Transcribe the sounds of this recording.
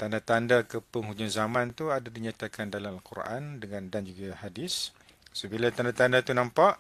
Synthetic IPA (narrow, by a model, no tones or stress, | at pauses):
t̪andat̪andakəpəŋɦud͡ʒʊnzamãnt̪uadadiɲat̪akʰandalamalkurʔa̰ndəŋãndand͡ʒuɡahadɪs | səbilat̪andat̪andat̪unampaʔ